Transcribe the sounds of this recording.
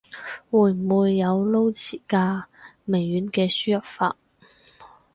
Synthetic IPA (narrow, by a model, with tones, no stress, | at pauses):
wuː˨˩jm̩˨muː˨˧jːɐ˨˧wlo˥wt͡sʰiː˨˩kaː˧me˨˩jːyː˨˥nkɛː˧syː˥jɐ˨˩p̚fa̰ː˧t̚